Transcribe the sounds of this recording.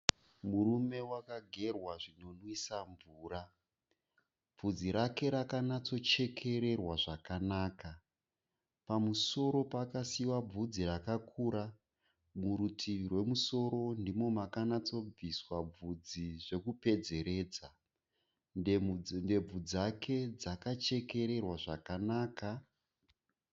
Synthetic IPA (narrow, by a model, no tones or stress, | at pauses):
muɾume̞wakaɡʱe̞rwaʐino̞nwisaɱvuːra | b͡vud͡ziɾake̞ɾakanat͡sot͡ʃe̞kʰe̞ɾe̞rwaʐakanaːka | pamuso̞ɾo̞paːkasiwab͡vud͡zirakakʰuːɾa | muɾutʰirwe̞muso̞ɾo̞ndimo̞makanat͡so̞b͡viswab͡vud͡ziʐe̞kupe̞d͡ze̞ɾe̞ːd͡za | nde̞b͡vud͡zakʰe̞d͡zakat͡ʃe̞ke̞ɾe̞rwaʐakanaːka